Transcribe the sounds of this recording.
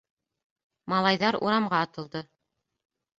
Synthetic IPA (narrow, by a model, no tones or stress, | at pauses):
mɑlˠɑjðɑɾṵɾɑmʁɑːt̪ɤ̆lˠd̪ɤ